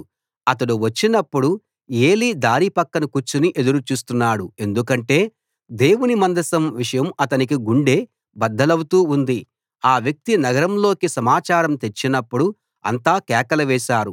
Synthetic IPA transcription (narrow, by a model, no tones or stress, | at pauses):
ɐt̪ɐɽuʋɐt͡ʃːinɐpːuɽu | eːlid̪aːɾipɐkːɐnukut͡ʃːuniʔe̞d̪uɾut͡ʃuːst̪unːaːɽue̞nd̪ukɐɳʈe̞ː | d̪e̞ːwunimɐnd̪ɐsɐmʋiʂɐjɐmɐt̪ɐnikiɡuɳɖe̞ː | bɐd̪ːɐlɐwut̪uːund̪i | aːʋjɐk̚t̪inɐɡɐɾɐmlo̞ːkisɐmaːt͡ʃaːɾɐmt̪e̞t͡ʃːinɐpːuɽu | ɐ̰nt̪aːkɛːkɐlɐʋɛːʃaːɾu